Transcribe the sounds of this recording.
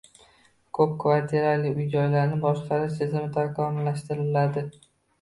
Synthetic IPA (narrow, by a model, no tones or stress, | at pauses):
kʰɵp̚kʰʊvaɾt̪ʰeɾalɪʊjd͡ʒɒjlaɾnɪbɒʃqʰɑɾɪʃt̪ʰɪzɪmɪt̪ʰaɾkʰɒmlaʃt̪ɪɾɪlad̪ɪ